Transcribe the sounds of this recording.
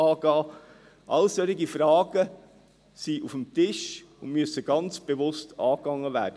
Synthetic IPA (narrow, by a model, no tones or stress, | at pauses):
ɑːɡɑː | ʔɑ̰lsœɾiɡifɾɑːɡ̥ə | siʔufəmtɪʃʊnmyəsəɡ̥ɑnt͡sb̥evʊstʰɑːkːɑŋːəʋæ̰ːɾd̥ə